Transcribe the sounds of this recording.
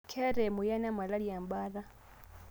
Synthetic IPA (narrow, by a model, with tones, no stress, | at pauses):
kʰɛ˦ɾɛ˨mu˨ja˦na˦ma˨la˦lia˨mba˦ɾa˦